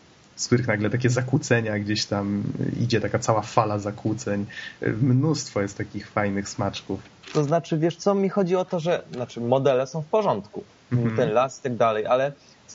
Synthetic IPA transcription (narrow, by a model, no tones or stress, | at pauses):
fsk̚t̪uɾɘxnaɡlɛt̪akʲɛzakwut̪sɛɲaɡd͡ʑeɕt̪amḭd͡ʑɛt̪akat̪sawafalazakwut̪sɛɲ̰mnust̪fɔjɛst̪takʲixfajnɘxsmat͡ʂkuf | t̪ɔznat͡ʂɘvʲjɛʂt̪sɔmʲixɔd͡ʑiɔt̪ɔʐɛnat͡ʂɘmɔd̪ɛlɛsɔ̃w̃fpɔʐɔnt̪ku | t̪ɛnlasi̥t̪aɡ̚d̪alɛjʔalɛ